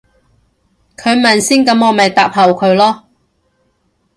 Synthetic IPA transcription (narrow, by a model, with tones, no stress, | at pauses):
kʰɵ˨˧ɥmɐ˨nsiː˥nkɐ˨˥mɔː˨˧mɐ˨jt̪aː˨p̚hɐ˨˩wkʰɵ˨˧ɥlɔː˥